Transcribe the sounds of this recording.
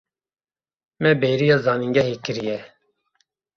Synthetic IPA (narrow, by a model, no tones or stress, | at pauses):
mɛbeːɾijɑːzɑːniŋɡɛhekɨɾijɛ